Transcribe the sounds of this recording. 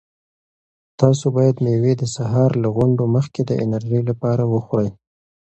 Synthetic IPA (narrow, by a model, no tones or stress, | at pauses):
t̪ɑsobɑjad̪newed̪əsaɦɑɾlaɣʊɳɖoməxked̪əʔɪ̰naɾʒəjlapɑɾawəxwɾəj